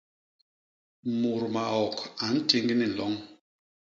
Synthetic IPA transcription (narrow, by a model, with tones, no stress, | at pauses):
mu˨ɾma˨ɔ˨ka˨n̩˦ti˦ŋɡi˦ni˨lɔ˨˦ŋ